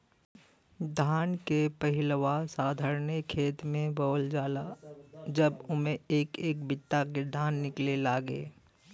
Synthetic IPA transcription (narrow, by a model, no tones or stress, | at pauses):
d̪ʱaːnkepəɦɪlʋasaːd̪ʱəɾnekʰːeːt̪mẽbɔːld͡ʒaːlad͡ʒəbʊmẽeːkeːk̚bɪt̪ːaked̪ʱaːnːɪklelaːɡḛː